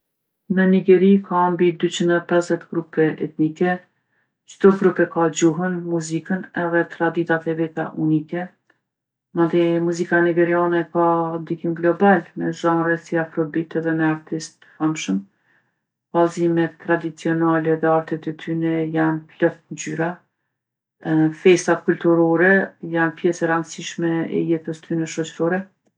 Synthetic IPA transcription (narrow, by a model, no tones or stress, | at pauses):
nəniɡɛɾikʰambid̪yt͡ɕind̪ɛpɛzzɛt̪ɡɾupɛʔɛ̰t̪nikɛ | t͡ʃt̪uɡɾupɛkad͡ʑuɦənmuzikənɛðɛt̪ɾad̪it̪at̪ɛvit̪a̰ʔunikɛ | mad̪imuzikaniɡɛɾianɛkad̪ikimɡlɔbalmɛzanɾɛsiafɾɔbit̪ɛðɛmɛaɾt̪ist̪ | hamʃəm | vazimɛt̪ːɾad̪it͡siɔnalɛðɛaɾt̪ɛt̪ɛt̪ʰynɛjanplɔθnzyɾa | fɛst̪akult̪uɾɔɾɛjanpjɛsɛɾand̪siʃmɛɛ̰jɛt̪əst̪ynɛʃɔt͡ʃɾɔɾɛ